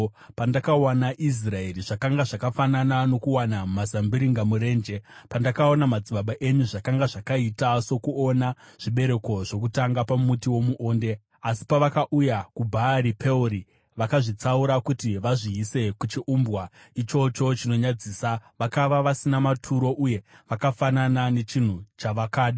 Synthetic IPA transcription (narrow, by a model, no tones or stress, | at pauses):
pandakawanaʔis̬rae̞ɾiʐakaŋɡaʐakafananano̞kuwanamazambiɾiŋɡamuɾe̞ːnd͡ʒe̞pandakao̞namad͡ziɓaɓaʔe̞ɲuʐakaŋɡaʐakaitaso̞kuo̞naʐ̥iɓe̞ɾe̞ko̞ʐo̞k̬utaŋɡapamutiwo̞muʔo̞ːnde̞ | asi̥paʋakaʔujakubʱaɾipʰe̞uɾi | ʋakaʐit͡sauɾakutiʋaʐiise̞kut͡ʃiʔumbɣwa | it͡ʃo̞t͡ʃo̞t͡ʃino̞ɲad͡ziːsaʋakaʋaʋasinamatʰuɾo̞ʔuje̞ʋakafananane̞t͡ʃin̤ut͡ʃaʋakaːɗa